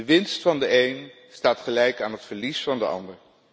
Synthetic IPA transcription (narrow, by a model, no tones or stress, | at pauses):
əʋɪnstfɑndəejn | staːtχəlɛjkaːnɦətfəɹlisfɑndəɑ̰ndəɹ